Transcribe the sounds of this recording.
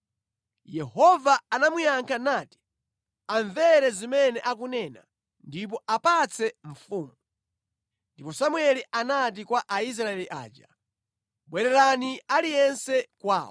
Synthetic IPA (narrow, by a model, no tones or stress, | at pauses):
jɛhɔvaːnamujaŋkʰanaːti̥ | aɱvɛɾɛzimɛnɛʔak̬unɛːna̰ | ndip̬ɔapat͡sʰɛɱ̩fuːmu | ndipɔsamwɛliʔanat̬ikwaʔais̬ɾaɛliʔa̰ːd͡ʒa | ɓwɛɾɛɾanialijɛnsɛkwa̰ːwɔ